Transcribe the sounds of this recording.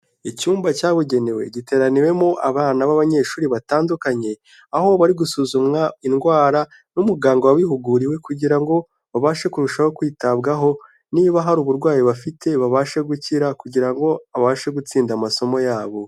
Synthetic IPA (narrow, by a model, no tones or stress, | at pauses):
icuːmbacaːβuɟe̞ne̞we̞̰ɟite̞ːɾaniwe̞moʔaβaːnaβaβaɲe̞ːʃuːɾiβataːndukaɲe̞ | aho̞βaɾiɡusuːzumŋainɡwaːɾa | numuɡaːŋɡowawiɦuɡuɾiwe̞kuɟiɾaŋɡo̞ | βaβaːʃekuɾuʃaho̞kwiːtabɡaɦo̞ | niːβaɦaɾuβuɾɡwaːjiβafitʰe̞βaβaʃeɡuciɾakuɟiɾaŋɡo̞aβaʃeɡut͡siːndamaso̞mo̞jaːβo̞